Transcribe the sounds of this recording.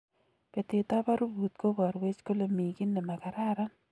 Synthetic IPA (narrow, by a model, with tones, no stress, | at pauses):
pe˨t̪e˨t̪a˦ba˦ɾu˦bu˨t̪̚ko˦ba˨ɾwe˦t͡ʃko˦lo˨mi˨ɡi˦nːe˨ma˨ka˨ɾa˦ɾa˦n